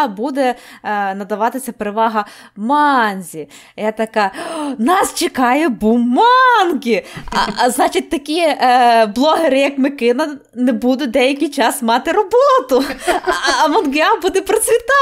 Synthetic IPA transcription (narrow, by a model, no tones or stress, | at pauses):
bud̪ɛnɐd̪ɐʋɑt̪ɪsʲɐpeɾeʋɑɦɐ | mɑnʲzʲi | jɛt̪ɐkɑnɑst͡ʃɪkɑjɛbummːɑnkʲɪ̰ | znɑt͡ʃɪt̚ʲt̪ɐkʲi | blˠɔɦeɾɪjɐkmɪkɪnɐ | nɛbud̪ʊd̪ɛjɐkʲijt͡ʃɑsmɑt̪ɪɾɔbɔt̪ʊ | ɐmɐnɡɪɑbud̪ɛpɾɔt͡sʲʋʲit̪ɑ